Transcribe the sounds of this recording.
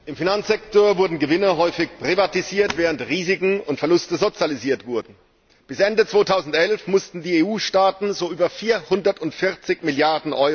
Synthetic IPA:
ʔɪmfinansz̥ɛktoːɐvʊɐdn̩ɡəvɪnəɦɔʏfɪçpʁ̥ivatiziːɐtv̥ɛːʁəntʁiːzɪkŋ̩ʊntfɛɐlʊstəzot͡sjaliziːɐtv̥ʊɐdn̩ | b̥ɪsʔɛndət͡sv̥oːtʰaʊzn̩tʔɛlfmʊstn̩diːeːuːʃtaːtn̩zoːʔyːbɐfiːɐhʊndɐtʊntfɪɐt͡sɪçmɪljaɐdn̩ʔɔʏ

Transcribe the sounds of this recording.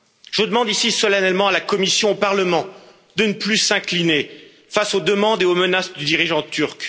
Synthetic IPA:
ʒ̥əd̪əmɑ̃d̪isisɔlanɛlmɑ̃alakɔmisjɔ̃opaʁləmɑ̃ | d̪ənəplysɛ̃kline | fasod̪əmɑ̃d̪eomənasd̪yd̪iʁiʒɑ̃t̪yʁk

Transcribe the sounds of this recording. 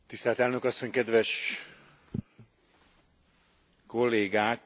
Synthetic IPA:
t̪ist̪ɛːlt̪ɛlnø̞kɒsːo̞ɲkɛd̪ʋɛʃ | ko̞lːeːɡaːk

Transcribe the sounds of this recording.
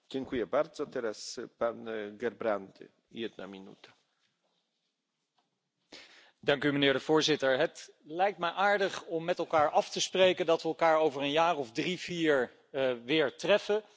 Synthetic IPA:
dɪŋkujəbarzot̪ɛɾaspanɡɛrbrandə̰ | ḭɛtna̰minṵtə̥ | d̥ɑŋkymənɪːɹdəvʊːɹzɪtəɹɦətlɛjk̚tmɛjʔaːɹdəχɔmːɛtɛlˠkaːɹʔɑftəsprejkəndɑtʋəɛlˠkaːɹowvəɹənjaːrɔvdriviːɹ | ʋɪːɹtrɛfə

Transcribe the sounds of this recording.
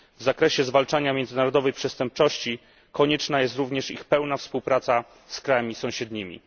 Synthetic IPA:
vzakɾɛɕɛzvalt͡ʂaɲamʲjɛnzɘnaɾɔd̪ɔvɛjpʂɛst̪ɛmp̚t͡ʂɔɕt͡ɕi | kɔɲɛt͡ʂnajɛst̪ɾuvɲɛʂḭxpɛwnafspuwpɾat̪sa | skɾajamʲisɔ̃w̃ɕɛd̪ɲimʲḭ

